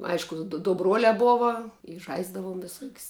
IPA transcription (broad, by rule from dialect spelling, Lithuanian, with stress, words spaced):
ˈɐɪʃkʊ dʊ dʊ ˈbruɔlʲɛ ˈboːʋɐ ɪ ˈʒɐɪzdɐʋuɔm ʋʲɪˈsuɔkʲsʲ